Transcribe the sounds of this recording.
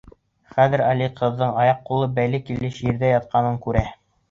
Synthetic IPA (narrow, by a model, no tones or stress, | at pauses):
χæðɘ̆ɾɑliqʰɤ̆ðːɤɴɑjɑqːulˠɤbælɘkilɘʃjɘɾðæjɑt̪̚qɑnɤŋkʉɾæ